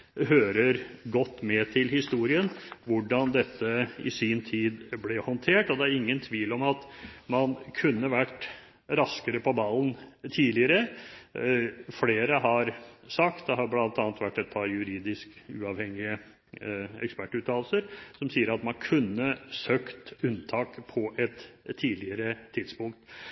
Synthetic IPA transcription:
ɦøːɾəɾɡɔt̪ːmɛt̪ʰɪlhɪst̪uːɾɪənʋʊɖɑnd̪ɛt̪ʰːəɪ̰siːnt̪ʰiːd̪blɛhɔnt̪ʰeːʈɔd̪ɛæɾɪŋːənt̪ʰʋiːlɔmɑt̪mɑnkʰʉnːəʋæʈː | ɾɑskəɾəpʰɔbɑlːnt̪ʰiːlɪəɾə | fleːɾəɦɑɾsɑkt̪d̪ɛɦɑɾblɑnt̪ɑːnət̪ʋæʈːɛt̪̚pʰɑɾjʉɾiːd̪ɪskʉ̰ːɑʋhɛŋːɪə | ɛ̰kspæʈːʉːt̪ʰɑːlsəɾsɔmsiːəɾɑt̪mɑnkʰʉnːəsøːkt̪ʉnt̪ʰɑːkpʰɔʔɛt̪ʰːiːlɪəɾət̪ʰɪd̪spʊŋk̚t̪

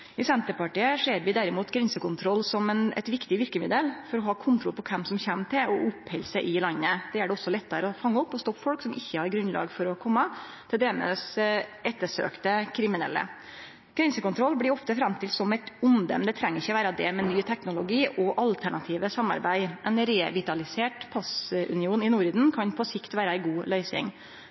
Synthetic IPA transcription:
ɪsɛnt̪əɾpɑʈiːəʂeːɾʋɪd̪æɾɪmuːt̪ɡɾɛnsəkʊnt̪ʰɾɔlːsɔmɛnɛ̰t̪ʋɪkt̪ɪʋɪɾkəmɪd̪əlfɔɾɔɦɑːkʰʊnt̪ʰɾɔlpʰɔkʰɛmsɔmçɛmt̪ʰɪlɔʔʊpːhɛlsəʔɪlɑnːəd̪̥ɛːæɖɛɔsːɔlɛt̪ːəɾəɔfɑŋːəɔpːɔst̪okfɔlksɔmɪçːəhɑɾɡɾʉnlɑ̰ːɡfɔɾɔkʰɔmːɑ | t̪ʰɪld̪ɛmə̰sɛt̪ːəʂø̰ːkt̪əkʰɾɪmɪnɛ̰lːə̰ | ɡ̥ɾɛnsəkʊnt̪ɾɔlːblɪɾɔft̪əfɾɑmt̪ʰɪlsɔmɛɪt̪ʊnd̪ə̰md̪ɛt̪ʰɾɛŋːəɾɪçəʋæːɾɑd̪ɛːmɛnyːt̪ʰɛknʊlʊɡiːʔɔʔɑlt̪ʰæɳɑt̪ʰiːʋəsɑmːɑ̰ɾbæɪʔɛnɾeːʋɪt̪ɑlɪseːʈpʰɑsʔʉ̰nɪuːnɪnuɾiːd̪n̩kʰɑnpʰɔsɪkt̪ʋæːɾəæɪɡuːlœʏsɪ̰ŋ

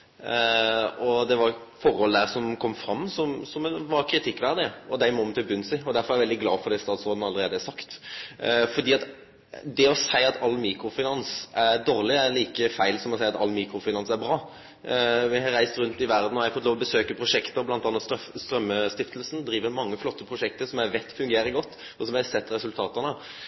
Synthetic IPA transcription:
ɔd̪ɛʋɑɾ | fɔɾhɔld̪æːʁsɔmkʰɔmːfɾɑmːsɔmsɔmʋɑɾkʰɾɪt̪ʰɪkːʋæʁd̪ɪəɔd̪æɪmɔmt̪ʰɪlbʉnsɪɔd̪æɾfɔɾæɾɛʋɛld̪ɪɡlɑːfɔʁd̪ɛɪst̪ɑːd̪sɾoːd̪n̩ɑlːəɾeːd̪əæsɑkt̪ | fɔd̪iːɑt̪ | d̪ɛɔsæɪɑt̪ʰɑlːmiːkɾʊfɪnɑnsæɾd̪oːʁlɪæɾliːkəfæɪlsɔmɔsæɪɑt̪ɑ̰lːmiːkɾʊfɪnɑnsæɾbɾɑː | ʋɪhɑɾæɪst̪ɾʉnt̪ɪʋæɾd̪n̩ɔhɛæfɔt̪loːʋɔbəsøːkəpʰɾʊʂɛkt̪əɔblɑnt̪ɑːnɑt̪sst̪ɾœmːəst̪ɪft̪əlsn̩d̪ɾiːʋəɾmɑŋːəflɔt̪ːəpʰɾʊʂɛk̚t̪əɾsɔmæʋɛɪt̪ːfʉŋɡeːɾəɡɔt̪ː | ɔsɔmʋæsɛt̪ːɾɛsʉlt̪ʰɑːt̪ənə

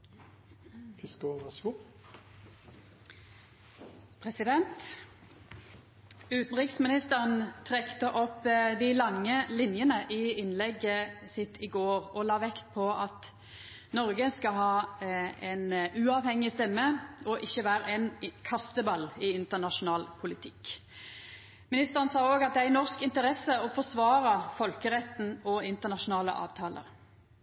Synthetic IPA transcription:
fɪskoɑsku | pʰʁɛsɪd̪ɛnt̪ | ʉːt̪n̩ʁɪksmɪnɪst̪əʁənt̪ʰʁɛkt̪əʔɔpːd̪ɪlɑŋːəlɪnjənəʔɪɪnlɛɡəsɪt̪ʰːɪɡoːʁɔlɑːʋɛkt̪̚pʰɔɑt̪ | nɔɾɡəskɑɦɑːɛnʉːɑːʋhɛŋːɪst̪ɛmːəɔʔɪçːəʋæːɾəɛnkʰɑst̪əbɑlːɪɪnt̪ənɑʃʊnɑːlpʰʊlɪt̪ʰɪ̥k | mɪnɪst̪əʁənsɑːoːɡɑt̪̚d̪ɛæɾnɔʁskɪnt̪əɾɛsːəɔfɔsʋɑːʁəfɔlkəʁɛt̪ːn̩ɔɪnt̪ənɑʃʊnɑːlə̰ʔɑ̰ːʋt̪ʰɑːlə̰ʁ

